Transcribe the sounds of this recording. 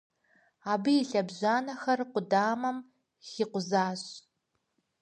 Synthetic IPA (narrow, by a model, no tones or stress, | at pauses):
aːbɨjiɬɐbʑaːnɐxɐrqʷʊdaːmɐm | xiːqʷʊzaːɕ